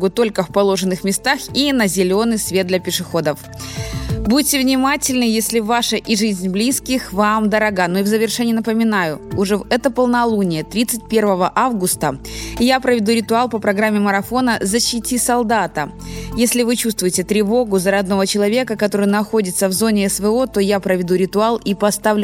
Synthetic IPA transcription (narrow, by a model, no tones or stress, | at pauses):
ɡʊt̪o̞lʲkəfpɐlˠo̞ʐɨnːɨxmʲɪst̪axinəzʲɪlʲo̞nɨjsvʲe̞t̪̚d̪lʲɐpʲɪʂɨxo̞d̪əf | but̚ʲtːʲɪvnʲɪmatʲɪlʲnɨjesʲlʲɪvaʂəʔiʐɨzʲnʲblʲiskʲɪxvamd̪əɾɐɡanoivzəvʲɪrʂɛnʲɪːnəpəmʲɪnajʊʊʐɛvɛt̪əpəlˠnɐlˠunʲɪjət̪ɾʲit̪sɨt̚ʲpʲe̞rvəvəʔavɡʊst̪əjapɾəvʲɪd̪uɾʲɪt̪ʊalˠpəpɾɐɡɾamʲːɪməɾɐfo̞nəzəɕːɪtʲisɐlˠd̪at̪ə | jesʲlʲɪvɨt͡ɕust̪vʊjɪtʲɪt̪ɾʲɪvo̞ɡʊzəɾɐd̪̚no̞vət͡ɕɪlˠɐvʲe̞kəkɐt̪o̞ɾɨjnɐxo̞dʲɪt̪səvzo̞nʲɪɛsvəo̞t̪o̞japɾəvʲɪd̪uɾʲɪt̪ʊalˠipɐst̪avlʲ